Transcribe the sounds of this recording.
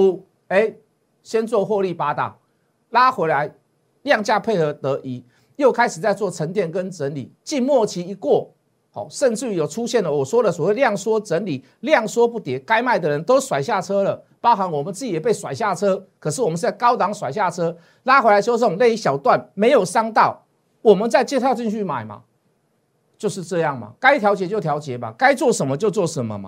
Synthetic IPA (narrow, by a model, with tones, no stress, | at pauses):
u˥ | e˦ɪ | ɕjɛ˥nt͡swɔ˥˧xwɔ˥˧li˥˩pa˥t̪a̰˨˩ | la˦˥xwe˧˥ɪla˧˦ɪ | ljɑ˥˧ŋt͡ɕja˥˧pʰe˥˩ɪə˧˥t̪ə˧˥ʔi˨˥ | jo˥˩ʊkʰa˥ɪʂ̩˨˩t͡sa˥˧ɪt͡swɔ˥˩t͡sʰə˧˥ŋt̪̬jɛ˥˨nkə˦nʈ͡ʂə˧˦nlḭ˨˩t͡ɕi˥˧nmwɔ˥˩t͡ɕʰi˧˥i˧kwɔ˥˩ | hɔ̰˨˩ʂə˥˧nʈ͡ʂɻ̩˥˩jo˨˩ʊʈ͡ʂʰu˦˥ɕjɛ˥˨˩nlə˨˩wɔ˨˩swɔ˥d̪ə˨swɔ˨˩we˥˧ɪljɑ˥˩ŋswɔ˥ʈ͡ʂə˧˥nli˨˩˦ | ljɑ˥˨ŋswɔ˥pu˥˩t̪jɛ˨˩ka˥ɪma˥˩ɪd̪ə˨ɻə˧˦nt̪o˥˦ʊswa˨˩ɪɕja˥˩ʈ͡ʂʰɤ˥lə˨ | pɑ˥ʊxa˧˥nwɔ˨˩mə˨˦nt͡s̩˥˩i˨˩jɛ˨˩pe˥˩ɪswa˨˩ɪɕja˥˩t͡sʰɤ˦˥kʰɤ˨˩ʂ̬̩˥˩wɔ˨˩mə˦n˥a˥˩ɪkɑ˥ʊt̪ɑ˧˥ŋswa˨˩ɪɕ̬ja˥˩ʈ͡ʂʰɤ˥ | la˥xwe˧˥la˧ɪʂo˥ʊso˥˨˩ŋle˥˧i˥ɕjɑ˨˩ʊt̪wa˥˨˩nme˧˥ɪjo˨˩ʊʂɑ˥ŋt̪ɑ˥˩ʊ | wɔ˨˩mə˦nt͡sa˥˧ɪt͡ɕjɛ˥˩t̪ʰa˥˧ʊt͡ɕi˥˧ŋɕy˥˩ma̰˨˩ɪma̰˨ | t͡ɕjo˥˧ʊʂ̬̩˥˧ʈ͡ʂɤ˥˧jɑ˥˩ŋma̰˨˩ka˥ɪt̪ʰjɑ˧˥ʊt͡ɕjɛ˧˥t͡ɕjo˥˩ʊt̪ʰjɑ˧˥ʊt͡ɕjɛ˨˦ma̰˨ka˦ɪt͡swɔ˥˩ʂə˧˦nmə˧t͡ɕjo˥˧ʊt͡swɔ˥˩ʂə˧˦nmə̰˨ma̰˨